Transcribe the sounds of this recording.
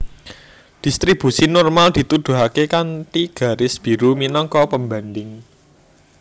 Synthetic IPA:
d̪̥i̤st̪ɾib̥usinɔrmald̪̥i̤t̪ud̪̥ṳɦakekanʈ̪iɡ̥ä̤ɾɪsb̥i̤ɾuminɔŋkɔpəmbandɪŋ

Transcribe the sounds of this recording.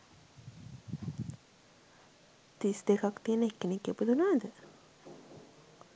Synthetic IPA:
t̪isd̪ekakt̪iənəekːenikːepud̪unaːd̪ə

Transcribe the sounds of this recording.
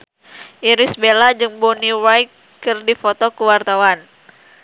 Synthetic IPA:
ʔiɾɪsbelad͡ʒɨŋboniwajkː | ɨrdifot̪ɔkuwart̪awan

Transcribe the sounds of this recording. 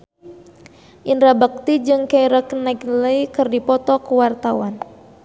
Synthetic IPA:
ʔinɾabak̚t̪id͡ʒɨŋkaiɾakənakləikɨrdipɔt̪ɔkuwart̪awan

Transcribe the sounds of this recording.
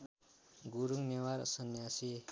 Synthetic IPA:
ɡuɾuŋnewaɾsʌnjasi

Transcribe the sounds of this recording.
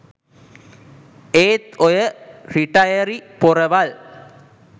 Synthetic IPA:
eːt̪ojəriʈɐjɐɾipoɾɐʋɐl

